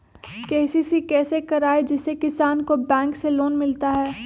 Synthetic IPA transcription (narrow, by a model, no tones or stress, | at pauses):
kɛːsisikɛːsekɐɾaːed͡ʒɪsekɪsaːnkobɛ̃ːŋkseloːnmɪlt̪aɦɛː